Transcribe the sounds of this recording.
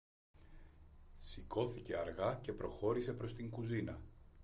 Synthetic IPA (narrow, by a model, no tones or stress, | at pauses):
siko̞θice̞ɐɾɣɐce̞pɾo̞xo̞ɾise̞pɾo̞st̪iŋkuzinɐ̰